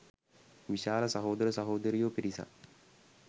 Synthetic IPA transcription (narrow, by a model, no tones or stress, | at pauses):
ʋiɕaːlɐsɐɦoːd̪ɐɾəsɐɦoːd̪əɾijoːpiɾisa̰